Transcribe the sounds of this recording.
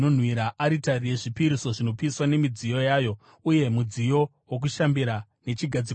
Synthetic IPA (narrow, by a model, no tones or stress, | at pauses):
on̤wiɾaʔaɾitaɾije̞ʐipiɾiso̞ʐino̞piiswane̞mid͡zijo̞jaːjo̞ | uje̞mud͡zijo̞ | wok̬uʃambiɾa | ne̞t͡ʃiɡʱad͡zi